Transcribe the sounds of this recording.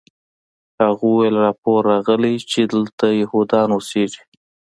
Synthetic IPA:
haɣuwwelɾɑpoɾːɑɣəlit͡ʃed̪əlt̪ajehud̪ɑnwoseʐi

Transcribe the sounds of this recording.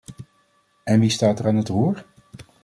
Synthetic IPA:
ɛnʋistaːtəraːnɦətruːɹ

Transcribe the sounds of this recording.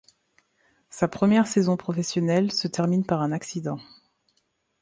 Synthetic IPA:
sapχəmjɛʁsezɔ̃pχɔfɛsjɔnɛlsət̪ɛʁminpaʁɛ̃naksid̪ɑ̃

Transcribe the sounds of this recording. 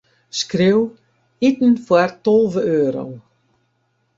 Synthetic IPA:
skɾew | it̪n̩fwaɾt̪ɔlˠvəøːɾo̰w

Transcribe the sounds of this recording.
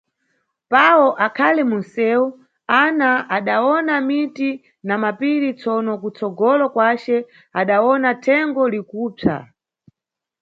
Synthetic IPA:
pawɔʔakʰalɛmunsɛːu | anaaɗaɔnamiti | namapiɾit͡sʰɔnɔkut͡sɔɡɔlɔkwat͡ʃɛ | aɗawɔnatʰɛŋɡɔlikuːpʰa̰

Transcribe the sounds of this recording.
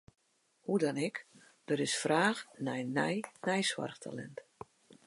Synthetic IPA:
hudɔnɛk | d̥ɔɾɪsfraːxnɛjnɛjnɛjswa̰rxtʰa̰lɛ̰nt

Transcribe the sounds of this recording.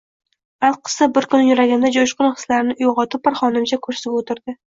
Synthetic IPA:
alˠqʰɨ̥sabɪɾkʰʊnːɪjʊɾaɡʲand̪ad͡ʒoʃqʊnχɨ̥slaɾɪnɪʔʊjʁɒt̪ʰɪp̚ːaɾχɒnɪmt͡ʃʰakʰɵɾsɪpot̪ʰɪɾd̪ɪ

